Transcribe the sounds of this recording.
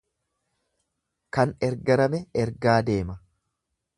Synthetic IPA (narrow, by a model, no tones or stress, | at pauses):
kɐnɛɾɡɐɾɐmɛɛɾɡaːd̪e̞ːmɐ